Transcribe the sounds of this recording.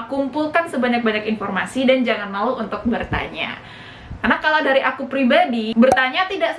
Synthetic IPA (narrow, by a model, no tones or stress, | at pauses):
kumpulkansəbaɲak̚baɲakinfɔrmasidand͡ʒaŋanlauunt̪ʊk̚bərt̪a̰ɲa̰ | karnakaladaɾiʔakupɾibadibərt̪aɲat̪idaʔs